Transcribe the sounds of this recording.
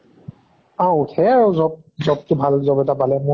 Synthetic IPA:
awutʰɛaɹʊzɔb̚ | zɔb̚tʊbʱalzɔbɛtapalɛmʊ

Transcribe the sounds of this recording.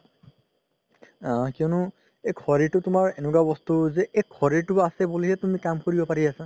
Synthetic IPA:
ãkiɔnʊ | ekʰɔɹitʊtʊmaɹenukabɔstuzɛʔekʰɔɹitʊasɛbuliɦɛtumikamkoɹibɔpaɹiasa

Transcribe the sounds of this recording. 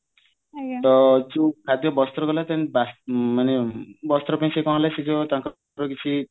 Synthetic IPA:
t̪ɔd͡ʒukʰad̪jɔbɔst̪ɾɔɡɔlat̪anĩbasmanebɔst̪ɾɔpãĩsekɔ̃ñlasid͡ʒɔt̪ãŋkɔ | ɾɔkit͡ʃʰi

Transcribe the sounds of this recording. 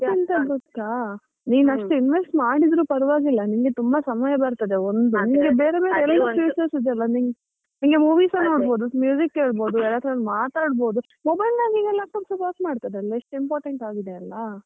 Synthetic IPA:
int̪ɐɡotkaː | niːnɐʂʈuinʋesʈmaːɽid̪ɾuːpɐɾʋaːɡilːɐniŋɡet̪umbɐsɐmɐjɐbɐɾt̪ɐd̪eond̪uniŋɡebeːɾebeːɾeɛlːɐuːsesid̪eɐlːɐniŋɡ | niŋɡemuːʋiːsɐno̞ːɽbo̞ːd̪umjuːd͡ʒikːɦeːɭbo̞ːd̪uɛlːaːt̪ɾɐɐnmaːt̪aːɽbo̞ːd̪u | mɔbɐjlnaːɡiɡeɛlaːk̚ʈaːpsɐpoːɾsmaːɽt̪ad̪eɐlːɐiʂʈimpoːɾʈeɳʈaːɡid̪eɐlːɐ

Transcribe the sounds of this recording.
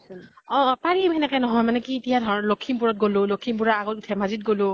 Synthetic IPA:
ɔ̃paɹimɛnɛkɛnɔɦɔjmanɛkiːtijadʱɔɹɔnɔlokʰːimp̬uɹɔt̚ɡolʊlokʰimp̬uɹaaɡɔtutʰɛmazit̚ɡolʊ

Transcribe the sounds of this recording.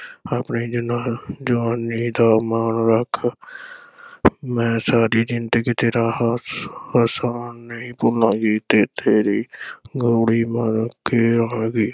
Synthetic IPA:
aːpniːd͡ʒɪnãːd͡ʒəʋaːnːiːd̪aːmaːnɾəkʰ | mɛ̃ːsaːɾiːd͡ʒɪnt̪eːkɪt̪eːɾaːhhəsaːnːəĩːpʊlãːɡiːt̪eːt̪ʰeːɾiːɡoːɽiːmənkeːɾəãːɡiː

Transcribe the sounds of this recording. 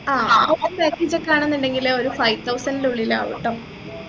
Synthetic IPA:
aːɐwɐpekːid͡ʑɐkːaːɳenːuɳɖe̞ŋɡilo̞ɾufɐjt̪ːɐwsɐninɖeuɭila̰ːʋḭʈːɐm

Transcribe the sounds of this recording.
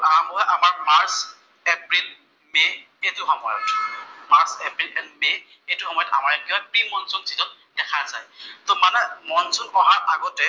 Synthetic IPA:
ʔaɦambɔɦɔjʔamaɹmaɹs | epɹil | me | etʊhɔmɔjɔ̰tmaɹsɛpɹilɛnmej | ejtʊhɔmɔjɔta̰maɹɛkiɦɔjpɹimɔnsɔnzizɔn | dɛkʰazajtɔmanɛmɔnsɔnɔɦaɹʔaɡɔtɛ

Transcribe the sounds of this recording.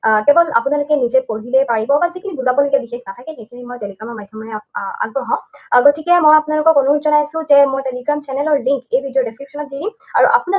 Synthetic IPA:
kɛbɔla̰punalʊkɛnizɛkoɹilɛpaɹibɔbazikʰinibuzabɔloɡiabixexnat̪ʰakɛxekʰinimojteliɡɹamɔɹmajtʰːɔmanɛa̰ɡbɹɔɦɔ̃ɡotikɛmojapʊnalʊkɔkonuutzɔnajsʊ̃zɛmojteliɡɹamt͡ʃɛnɛlɔɹliŋkejbʱidiɔdeskɹipsɔnɔt̚didi | aɹuʔapuna

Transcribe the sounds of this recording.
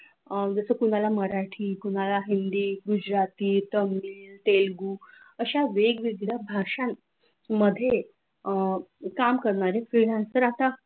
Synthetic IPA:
d͡zəsəkuɽ̤̃alaməɾaʈʰiːkuɽ̃alaɦind̪iːɡud͡ʑɾat̪iːt̪əmːiːlt̪elɡuː | əɕaʋeɡʋiɡɽabʱaʂãn | mːəd̪ʱːje | kamkəɾɳaɾefɾiɽãnsəɾat̪a

